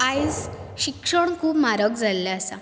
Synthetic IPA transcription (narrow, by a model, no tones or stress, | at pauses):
ajd͡zɕikʂəɳkʰuːpmaɾəkd͡zʱalːaəsa̰